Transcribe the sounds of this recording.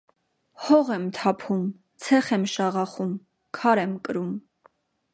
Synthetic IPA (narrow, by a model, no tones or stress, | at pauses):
hɔʁɛmt̪ʰɑpʰum | t͡sʰɛχɛmʃɑʁɑχum | kʰɑɾɛmkəɾum